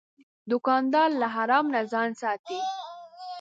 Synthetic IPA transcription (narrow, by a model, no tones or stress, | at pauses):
d̪ʊkɑnd̪ɑɾlaɦaɾɑmnazɑnsɑt̪i